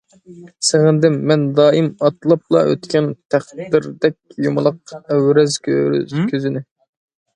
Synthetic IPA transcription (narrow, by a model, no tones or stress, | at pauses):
seʁɨnd̪ɪmːɛnd̪ɑːimɑt̪lˠɑp̚lˠɑ̰ʔø̰t̪kʲʰɛnt̪ʰæχd̪ɪɾd̪ɛk̚ʲjumɨlˠəq̚æwɾɛzkʰʲkʲʰøzɪnɪ